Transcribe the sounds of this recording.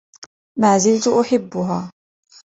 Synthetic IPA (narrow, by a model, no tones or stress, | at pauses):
maːzɪlt̪ʊʔʊħɪbːʊɦaː